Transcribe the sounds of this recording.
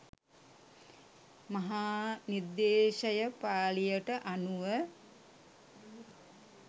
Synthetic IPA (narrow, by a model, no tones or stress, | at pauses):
maɦaːniɾd̪eːʃəjəpaːlijəʈəʔanuʋə